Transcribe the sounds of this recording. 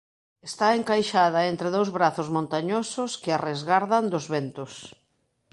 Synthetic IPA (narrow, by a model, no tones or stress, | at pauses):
est̪aeŋkajʃaðɐent̪ɾɪðowzβɾaθʊzmõnt̪aɲosʊskɪarezɣaɾðand̪ʊzβent̪ʊs